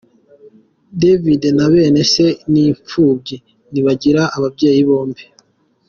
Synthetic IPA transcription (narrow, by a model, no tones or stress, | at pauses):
devidenaβe̞ːne̞se̞niːɱp͡fuːbɟi | niβaɟiɾaʔːβabɟe̞ːjiβo̞ːmbi